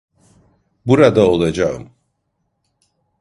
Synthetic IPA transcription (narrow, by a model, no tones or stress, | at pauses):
buɾad̪ao̞lˠad͡ʒaɯ̰m